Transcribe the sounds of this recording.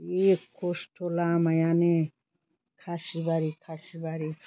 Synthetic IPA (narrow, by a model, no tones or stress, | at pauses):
ekʰːosʈʰolamajane | kʰasibaɾikʰasibaɾi